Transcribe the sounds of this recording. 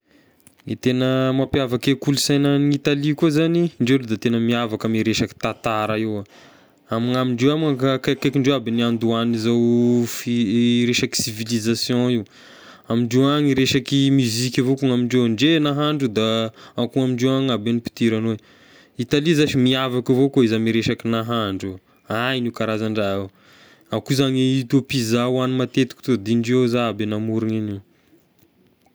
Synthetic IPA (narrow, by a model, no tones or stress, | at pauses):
ŋit̪enəmapjavakekulisajnanit̪alikuzaniɳɖ͡ʐewled̪at̪enəmiavakamiɾeʃaki̥t̪at̪aɾaewa | amiŋamiɳɖ͡ʐewamakakakajkiɳɖ͡ʐewabiniand̪uanizawfiɾeʃaki̥sivilizasjõiw | amiɳɖ͡ʐewaŋiɾeʃakimyzikʲavokuŋamiɳɖ͡ʐewɳɖ͡ʐenaɦaɳɖ͡ʐud̪aakuŋamiɳɖ͡ʐewaŋabenipi̥t̪iɾano | it̪alizaʃimiavakavokoizamiɾeʃakinaɦaɳɖ͡ʐu | anikaɾazaɳɖ͡ʐaaw | akuzaŋeut̪opizawanimat̪et̪i̥kt̪od̪iɳɖ͡ʐezaabenamuɾiŋiniw